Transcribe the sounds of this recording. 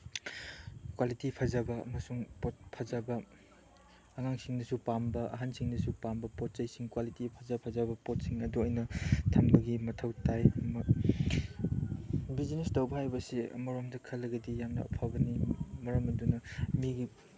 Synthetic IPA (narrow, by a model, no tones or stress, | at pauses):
kwalitipʰazabɐɐ̰mɐsuŋpot̚pʰazabɐ | ŋaŋsiŋnɐsupambɐʔɐ̰ɦansiŋnɐsupambɐpot̚t͡ʃɐjsiŋkwalitipʰɐzapʰazabɐpot̚siŋɐduɔjnɐtʰɐmbɐɡimɐtʰɐwtajmɐ | bizinestɐwbɐhajbɐseɐ̰mɐɾomdɐkʰɐlɐɡɐdijamnɐ̰ɐ̰pʰabɐnimɐɾɐmɐdunɐmiɡi